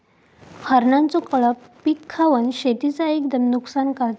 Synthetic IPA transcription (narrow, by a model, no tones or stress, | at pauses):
həɾnãnt͡sɔkəɭə | pikʰːaʋənɕet̪it͡saekd̪əmnuksankaɭt̪